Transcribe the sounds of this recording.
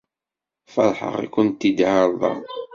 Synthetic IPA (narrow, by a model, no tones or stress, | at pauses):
fɑɾˤħə̰ʁa̰kːʊnt̪ːid̪ʕaɾˤðˤɑ̰